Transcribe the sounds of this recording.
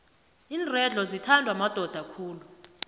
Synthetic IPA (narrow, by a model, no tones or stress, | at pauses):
iːnrɛɮʱɔzitʰandʱwamad̥ʱɔd̥ʱakʰuːlu